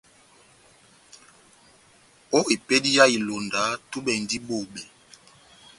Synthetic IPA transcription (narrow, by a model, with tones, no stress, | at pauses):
o˦e˨pe˦di˦ja˦i˨lo˨nda˨˦tu˦ɓɛ˨ndi˦ɓo˨ɓɛ˨